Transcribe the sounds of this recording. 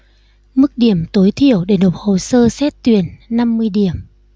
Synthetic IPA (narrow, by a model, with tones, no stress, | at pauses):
mɨ˦˥k̚ɗi˧˩əmt̪o˨˦jt̪ʰi˧˨əwɗe˧˩no˨˩p̚ho˧˨səː˧sɛ˦˥t̚t̪wḭ˨˧˩ənːa˧mːɨ˧əjɗi˧˩əm